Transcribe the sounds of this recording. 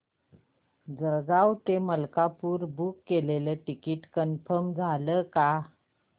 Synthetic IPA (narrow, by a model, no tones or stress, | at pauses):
d͡zəɾɡawt̪eməlkapuːɾbukːeleləʈikiʈkənfəmd͡zʱaləka